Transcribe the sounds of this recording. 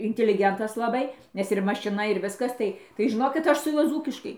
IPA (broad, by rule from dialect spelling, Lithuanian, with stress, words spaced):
ɪnʲtʲɪlʲɪˈɡʲɛntɐs lˠɐˈbɐɪ ˈnʲɛs ɪr mɐʃʲɪˈnɐ ɪr ˈʋʲɪskɐs ˈtɐɪ tɐɪ ʒʲɪˈnoːkʲɪt ˈɐʃ sʊ ˈjuɔ ˈd͡zuːkʲɪʃkɐɪ